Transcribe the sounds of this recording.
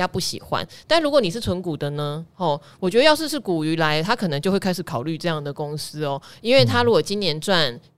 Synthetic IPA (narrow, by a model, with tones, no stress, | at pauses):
ja˥pu˥˩ɕḭ˨˩xwa̰˦nt̪nɻu˧˥kwɔ˧˦ni˨˩ʂ̬̩˥˩t͡sʰwə˧˦nku˨˩d̪ə˨nə˦hɔ˥˩wɔ˨˩t͡ɕɥdə˧jɑ˥˧ʂɻ̩˥˧ʂɻ̩˥˩ku˨˩y˧˥la˧˦ɪt̪ʰa˦˥kʰɤ˨˩nə˧˦ŋt͡ɕjo˥˧xwe˥˩ɪa˥ɪʂɻ̩˨˩kʰɑ˨˩ʊly˥˩˧ʈ͡ʂɤ˥˧jɑ˥˩ŋd̪ə˩ko˦ŋs̩˥ɔ˨˦i˥nwe˥˩ɪt̪ʰa˥ɻu˧˥kwɔ˨˩t͡ɕi˦˥njɛ˧˦nt͡swa˥˨˩n